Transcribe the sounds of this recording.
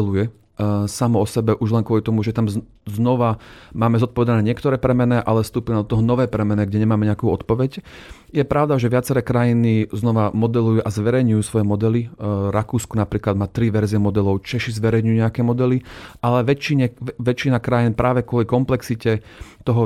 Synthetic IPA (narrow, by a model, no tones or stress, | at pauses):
lujɛ | samɔɔsɛbɛʔuʒlɛŋkʊɔlit̪ɔmuʒɛt̪am | znɔʋamaːmɛzɔt̪pɔʋɛd̪anɛːɲɪɛkt̪ɔɾɛːpɾɛmɛnɛʔalɛst̪uːpunad̪ɔt̪ɔɦɔnɔʋɛːpɾɛmɛnɛɡɟɛɲɛmaːmɛɲɛakuːɔt̪pɔʋɛc | jɛpɾaʊd̪aʒɛʋɪat͡sɛɾɛːkɾajiniznɔʋamɔd̪ɛlujuʔazʋɛɾɛjɲujuːsʋɔjɛmɔd̪ɛliɾakuːskɔnapɾiːklad̪̚maːt̪ɾiʋɛɾziɛmɔd̪ɛlɔʊt͡ʃɛʃizʋɛɾɛjɲujuɲɛakɛːmɔd̪ɛliʔalɛʋɛt͡ʃːiɲɛʋɛt͡ʃinakɾajinpɾʔaːʋɛkʊɔlikɔmplɛksicɛ | t̪ɔɦɔ